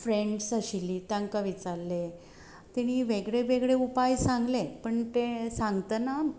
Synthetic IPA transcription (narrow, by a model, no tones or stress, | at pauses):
fɾeɳɖsəɕiliːt̪aŋkaʋit͡saɾle | t̪iɽ̃iʋeɡɭeʋeɡɭeupajsaŋɡlepəɳt̪esãŋɡt̪əna